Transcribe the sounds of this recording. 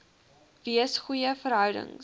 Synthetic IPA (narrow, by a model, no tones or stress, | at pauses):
viəsχujəfəɾɦœwdə̰ŋ